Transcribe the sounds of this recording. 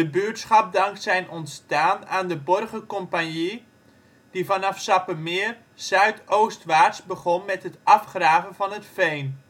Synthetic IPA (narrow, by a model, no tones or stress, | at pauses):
dəbytsχɑp̚dɑŋksɛjnɔntstaːnaːndəbɔrχəkɔmpanji | d̥ivɑnɑfsɑpəmɪər | z̥œɥtowstʋaːtsbəχɔnmɛtɦətɑfχraːvənvɑnətfejn